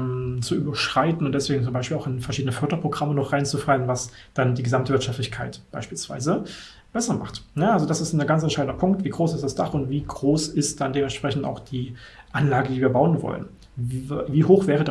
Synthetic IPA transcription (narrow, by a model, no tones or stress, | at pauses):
t͡suʔyːbɐʃʁ̥aɪtn̩ʊntd̥ɛsv̥eːɡŋ̩t͡sʊmbaɪʃpiːlaʊxɪnfɛɐʃiːdənəfœɐdɐpʁ̥oɡʁamənɔχʁ̥aɪnt͡sufalənvas | d̥andiːɡəzamtəvɪɐt͡ʃʃaftlɪçkʰaɪtb̥aɪʃpiːlsv̥a̰ɪzə | b̥ɛsɐma̰χtnəalzodasɪstnəɡant͡sɛnʃaɪdn̩dɐpʰʊŋktv̥iːɡʁoːsɪstd̥asd̥aχʊntv̥iːɡʁoːsɪst̚d̥andeːmɛntʃpʁ̥ɛçn̩ta̰ʊxd̥iːʔanlaːɡədiːviːɐbaʊənvɔ̰lə̰n | viviːhoːxv̥ɛːʁəd